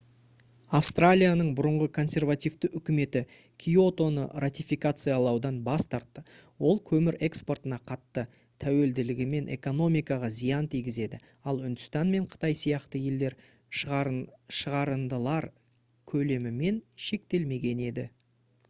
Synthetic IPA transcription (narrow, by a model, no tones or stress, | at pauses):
afst̪ralʲijanəɴbʊɾəɴʁəkʰo̞nsʲe̞rvat̪ijvt̪ɪʔʏkʲɪme̞t̪ɪ | kʲʰijo̞t̪o̞nə̰rat̪ʲijfijkat̪sɨjalˠɑwd̪ɑnbɑst̪ɑɾt̪ːəwo̞lˠkʲʰɵmɪɾe̞kspo̞rt̪ənɑqʰɑt̪ːə | t̪ʰæwe̞ld̪ɪlɪɡʲɪme̞nʔe̞̰ko̞no̞mijkɑʁɑzijɑnt̪ʰijɡʲɪze̞d̪ɪ | ɑlˠʏnd̪ʏst̪ɑnme̞ɴqʰə̥t̪ɑjsijɑqt̪əje̞ld̪e̞ɾ | ʃəʁɑɾənd̪əlˠɑɾ | kʲʰɵle̞mɪme̞nʃe̞k̚t̪e̞lme̞ɡʲe̞ne̞d̪ɪ